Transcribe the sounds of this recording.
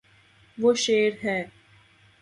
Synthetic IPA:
ʋoːʃeːɾɦɛː

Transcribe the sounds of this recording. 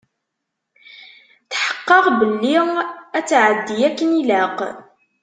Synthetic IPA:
θħə̥qːɑʁbəlːiʁæt͡sːʕəd̪ːijækːənilæq

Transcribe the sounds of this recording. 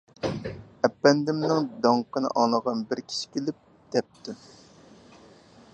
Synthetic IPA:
ɛpːɛnd̪ɪmnɪŋd̪ɑɴqʰənɨ̰ʔɑŋlˠəʁɑnbɪɾkʲʰi̥ʃi̥kʲʰelɪp̚ | d̪̥ɛp̚t̪u

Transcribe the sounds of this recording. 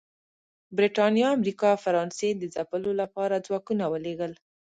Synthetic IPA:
bɾeʈɑnjɑamɾikɑfaɾɑnsed̪əzapəlolapɑɾad͡zwɑkunawəleɡəl

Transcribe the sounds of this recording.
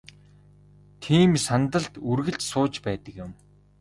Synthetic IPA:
t̪ʰiːmsant̪ə̆ɮt̪urɣɘ̆ɬt͡ɕsʊːt͡ɕpæːt̪ə̆kjɪ̆m

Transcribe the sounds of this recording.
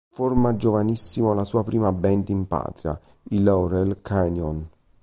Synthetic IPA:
formad͡ʒovanisːimolasuːapɾiːmabɛnt̪impa̰ːt̪ɾja̰ | ilɔwɾɛlkʰanjɔn

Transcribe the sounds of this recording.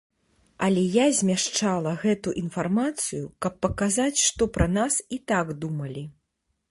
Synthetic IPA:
ɐlʲɛjazʲmʲaʂt͡ʂalˠɐɣɛt̪uʔinfarmat̪sɨjukɐpːɐkazat͡sʲʂt̪ɔpɾɐnasit̪aɡd̪umɐlʲi

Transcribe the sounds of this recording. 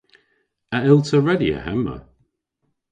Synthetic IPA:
əɪlˠtʰəɹɛdiə̰hɛmə̰

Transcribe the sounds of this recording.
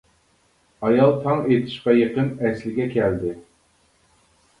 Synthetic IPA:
ɑjɑlˠt̪ʰɑŋet̪ʰɪ̥ʃqɑjeqənɛslɪɡʲɛkʲʰɛld̪ɪ

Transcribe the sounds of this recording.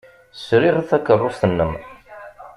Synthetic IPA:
sɾiʁθækːərˤːosθənːəm

